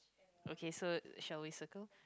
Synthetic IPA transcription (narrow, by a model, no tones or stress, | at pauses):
ʔokʰesoʃalwisəkəlˠ